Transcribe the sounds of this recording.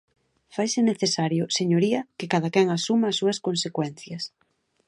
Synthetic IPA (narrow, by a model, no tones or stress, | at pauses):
fajsɪneθesaɾjʊseɲoɾiɐkekaðɐkɛŋasumaːsːuɐskonsekwɛn̟θjɐs